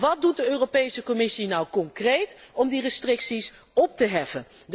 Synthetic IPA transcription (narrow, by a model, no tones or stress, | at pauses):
ʋɑt̚dut̚dəøːropejsəkɔmɪsinawkɔŋkrejtɔmdirəstrɪksis | ɔp̚təɦɛfən